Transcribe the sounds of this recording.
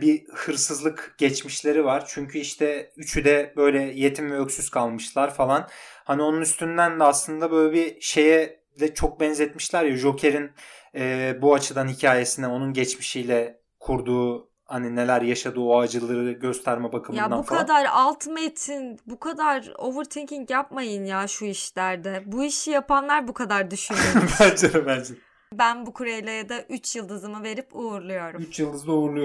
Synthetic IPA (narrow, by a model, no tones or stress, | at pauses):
bihɯɾsɯzlˠɯkɟ̥ɛt͡ʃmiʃlʲe̞ɾivaɾ̥t͡ʃʰyɲcʰyiʃt̪ʰɛyt͡ʃʰyd̪ɛbø̞jlʲɛje̞t̪ʰimvɛøcsyz̥kʰalˠmɯʃlˠaɾfalˠanhanio̞nunyst̪ʰynd̪ænd̪ɛaslˠɯnd̪abø̞jlʲɛbiʃe̞jɛ | d̪ɛt͡ʃʰo̞k̚bɛnzɛt̪miʃlʲæɾjaʒo̞cʰe̞ɾinɛːbuat͡ʃʰɯd̪anhicʰaːje̞sinɛo̞nunɟɛt͡ʃmiʃijlʲɛ | kʰuɾd̪uː | hanine̞lʲæɾjaʃad̪ɯːoad͡ʒɯlˠɯɾɯɟø̞st̪ʰæɾmɛbakʰɯmjaabufkʰad̪aɾalˠt̪ʰmet̪ʰinbukʰad̪aɾo̞vɯɾt̪ʰinciŋcjap̚majɯnjaːʃuiʃlʲæɾd̪ɛbuiʃjapʰanlˠaɾbukʰad̪aɾd̪yʃynobænd͡ʒeɾɯmbænd͡ʒe | bænbukʰuɾejlʲejad̪aʔyt͡ʃjɯlˠd̪ɯzɯmɯve̞ɾipuuɾlˠujo̞ɾuymt͡ʃjɯlˠd̪ɯzd̪aouɾlˠujo